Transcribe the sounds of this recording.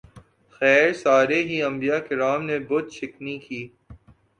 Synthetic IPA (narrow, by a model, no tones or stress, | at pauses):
xɛːɾsaːɾeɦiɐ̃mbijakɪɾaːmnebʊt̪ʃɪknikiː